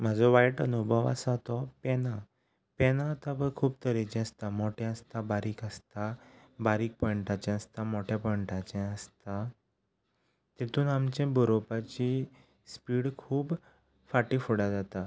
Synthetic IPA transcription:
m̤ad͡zɔʋaiʈənubʱəʋa̰sat̪ɔpɛna | pɛnat̪abəkʰuːbt̪əɾit͡ɕɛ̃əst̪amoʈɛ̃əst̪abaɾiːkəst̪abaɾiːk̚pəɳʈat͡ɕɛ̃əst̪amoʈʰapəɳʈat͡ɕɛ̃əst̪a | t̪it̪uːnamt͡ɕɛ̃buɾopat͡ɕi | spiːɽkʰuːb | faʈifuɽad͡zat̪a

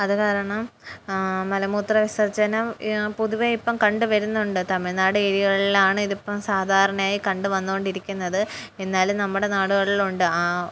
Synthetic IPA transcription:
ɐðɨkaːɾɐɳɐm | mɐlɐmuːt̪rɐʋisɐrt͡ɕːɐɐnɐmpuðuʋeipːɐmkɐɳɖɨʋɐɾunːuɳɖɨt̪ɐmːiɭnaːɽɨeːɾiɣɐɭilaːɳɨiðipːɐmsaːd̪ʱaːɾɐɳɐmaːjikɐɳɖuʋɐnːuko̞ɳɖiɾikʲːunːɐðɨ | e̞nːaːlumnɐmːuɽe̞naːɽuɣɐɭiluɳɖɨaː

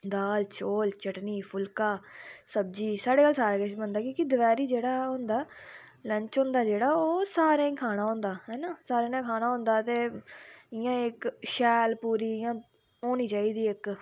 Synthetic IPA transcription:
d̪aːlt͡ʃʰoːlt͡ʃəʈniːpʰʊlkaːsəb̚d͡ʒiːsaːɽeːkaːlsaːɾaːkəʃbənd̪aːkiːkɪd̪ʊʋɛːɾiːd͡ʒeːɽaːʊ̃nd̪aː | ləɲt͡ʃɦʊ̃nd̪aːd͡ʒeːɽaːoːsaːɾãːĩkʰaːñaːɦõnd̪aːɦɛːnãːsaːɾẽːnãːkʰaːnaːɦõnd̪aːt̪eː | ɪjãːɪkʃɛːlpuːɾiːɪjãː | oːniːt͡ʃaːiːd̪iːɪk

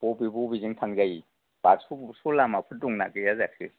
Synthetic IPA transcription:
bɔbibɔbiziŋtʰaŋzaji | b̥aksusɔlamapʰɯduŋnakɯjazakʰɯ

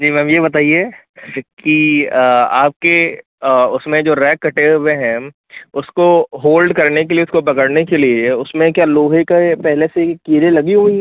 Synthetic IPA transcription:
d͡ʒiːmɛ̃mjebɐt̪aːie | ki | aːp̚ke | ʊsmẽd͡ʒoːɾɛːkːɐʈewẽɦɛ̃ | ʊskoɦoːlɖkɐɾnekelieʊskopɐkəɽnekelieʊsmẽkjaːloːɦekepɛɦlesekiːɾelɐɡiɦui

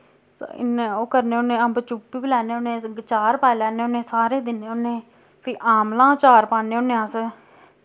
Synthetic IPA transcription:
sɪ̰neːoːkəɾneːʊnẽːə̃mbət͡ʃuːpːiːblɛːneːʊnẽːɡt͡ʃaːɾpaːlɛːneːʊnẽːsaːɾeːd̪ɪnːeːʊnːẽː | pʰiːʔaːmlãːt͡ʃaːɾpaːneːʊnːeːãːs

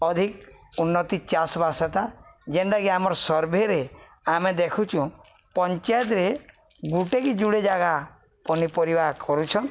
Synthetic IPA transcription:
ɔd̪ʱikunːɔt̪it͡ʃasɔbasɔt̪ad͡ʒenɖaɡiamɔɾsɔɾbʱeɾe | amed̪ekʰut͡ʃʰũ | pɔnt͡ʃajt̪ɾe | ɡuʈekid͡ʒuɽed͡ʒaɡa | pɔnipɔɾibaɦkʰɔɾut͡ʃʰɔn

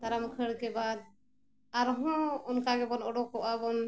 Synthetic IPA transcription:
d̪aɾamkʰəɽkɛbad̪̚ | aɾɦɔ̃ɔnkaɡɛbɔnɔɖɔkːɔʔabɔn

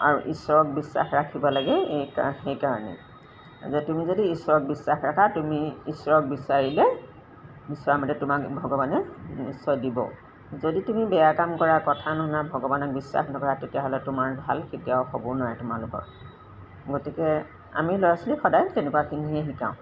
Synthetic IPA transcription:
a̰ɹuʔiswɔɹɔk̚bisːa̰xɹakʰibɔlaɡɛkaxejkaɹɔnɛ̰ | zɛtumizodiːsɔɹɔk̚bisːaxɹakʰatumiːsɔɹɔk̚bisaɹilɛ | bisɔamɔtɛtʊmakbʱɔɡɔbanɛisɔjdibɔ̰ | zoditumibɛjakamkɔɹakɔtʰanɔnabʱɔɡɔbanɔk̚bisːa̰xnɔkɔɹatetijaɦɔlɛtʊmaɹbʱalkʰetijaʊxobɔnɔjɛtʊmalʊkɔ̰ɹ | ɡotikɛ | a̰milɔjasɔlixɔdajtɛnɛkuwakʰiniɛɦikã̰ʊ̃

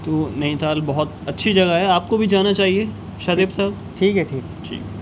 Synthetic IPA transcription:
t̪oːnɐĩt̪aːlbɐɦʊt̪ɐtːʃʰid͡ʒɐɡaɦɛaːp̚kobʱid͡ʒaːnat͡ʃaːɦie | ʃazeːbsaːb | ʈʰiːkɦɛʈʰiːkʈʰḭːk

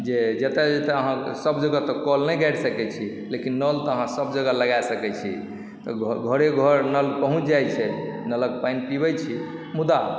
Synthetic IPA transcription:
d͡ʒed͡ʒet̪ed͡ʒet̪eəɦãsəbd͡ʒəɡat̪ɔkɔlnɛjɡɛɾsəkɛt͡ʃʰi | lekinːəlt̪ɔəɦãsəbd͡ʒəɡaləɡajsəkɛt͡ʃʰḭ | t̪ɔɡʱəɾeɡʱəɾnəlkpəɦũt͡ʃʰd͡ʒajt͡ʃʰɛnələk̚pajnpibɛt͡ʃʰimud̪a

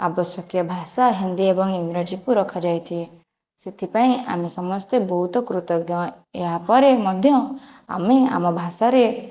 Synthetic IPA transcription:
a̰bɔsjɔkjɔbʱasaɦind̪iebɔŋiŋɡɾad͡ʒikuɾɔkʰad͡ʒajt̪ʰi | set̪ʰipaĩa̰mesɔmɔst̪ebɔɦut̪ɔkɾut̪ɔɡjɔ | eɦapɔɾemɔd̪ʱjɔ | a̰mea̰mɔbʱasaɾe

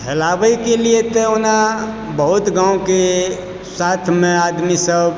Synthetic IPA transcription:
ɦelabəikeliet̪ɔona | bəɦut̪ɡãũke | sat̪ʰmẽad̪misəb

